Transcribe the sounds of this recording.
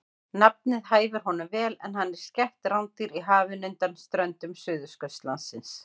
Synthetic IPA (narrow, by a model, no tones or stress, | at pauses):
nap̚nɪðhaːjvʏɾ̥ɦɔnʏmvɛːlɛ̰nɦanːɛɾ̥scɛht̪rawnt̪iɾiɦaːvɪnʏnt̪anst̪ɾœnt̪ʏmsʏːðʏskœst̪lansɪns